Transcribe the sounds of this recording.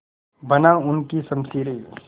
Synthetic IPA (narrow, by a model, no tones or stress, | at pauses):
bɐnaʊnkisɐmsiːɾi